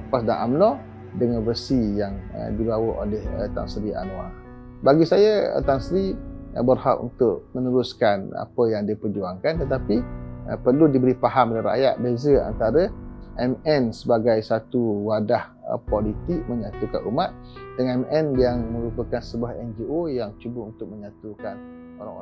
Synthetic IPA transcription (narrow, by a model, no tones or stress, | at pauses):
pasdana̰mnɔ | dəŋanvərsijaŋə̰dibawəo̰lɛhə̰t̪a̰ŋsɾia̰noa | baɡisajaə̰t̪aŋsɾiəbərha̰ʔṵnt̪ʊʔmənəɾuskana̰pəjaŋdiəpərd͡ʒuaŋkant̪ət̪apiə̰pərludibəɾipaɦamlaɾa̰ʔja̰ʔ̪̚bezəa̰nt̪aɾəʔɛmɛnsəbaɡajsat̪uwadah | ə̰polit̪ɪk̚məɲat̪uka̰numat̪̚dəŋɛmɛnbiaŋmə̃ɾupəkansəbuahɛnd͡ʒiojaŋt͡ʃubəunt̪ʊk̚məɲat̪ukan | oɾaŋ̰